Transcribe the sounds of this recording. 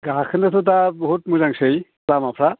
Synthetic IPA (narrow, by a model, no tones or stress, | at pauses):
ɡaɦakʰɯndatʰɔt̬abɔɦutmuzaŋsɯj | lamapʰɾa